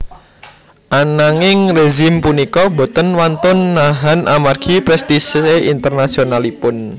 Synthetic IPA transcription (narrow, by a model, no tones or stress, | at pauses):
ʔanaŋɪŋreʒɪmpunikɔbo̤t̪ənwant̪ʊnːaɦanʔamarɡ̥ʰipɾɛst̪iseʔint̪ərnasionalipʊn